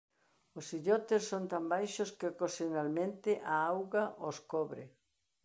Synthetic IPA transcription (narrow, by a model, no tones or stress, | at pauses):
osiʎɔt̪essont̪ambajʃoskɪkosonalmẽnt̪ɪʔaawɣaʔoskɔβɾɪ